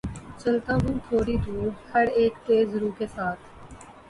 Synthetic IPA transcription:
t͡ʃəlt̪ãːɦʊ̃ːt̪ʰoːɾiːd̪uːɖhəɾeːkt̪eːzɾuːkeːsaːt̪ʰ

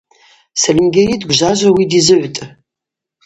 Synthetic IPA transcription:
sɐlimɡʲejidɡʷʒaʒʷawidizɨʕʷtʼɨ

